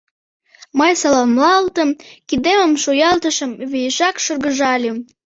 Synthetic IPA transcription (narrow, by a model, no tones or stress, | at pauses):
məjsɑlomlɑlt̪əmkid̪eməmʃujɑlt̪əʃəmβijəʃɑkʃərɣəʒɑlʲim